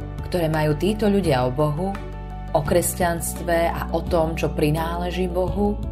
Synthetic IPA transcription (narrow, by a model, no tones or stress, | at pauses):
kt̪ɔɾɛːmajuːt̪iːt̪ɔʎuɟɪaɔbɔɦu | ɔkɾɛscanst̪ʋɛa̰ʔɔt̪ɔmt͡ʃɔpɾinaːlɛʒiːbɔɦu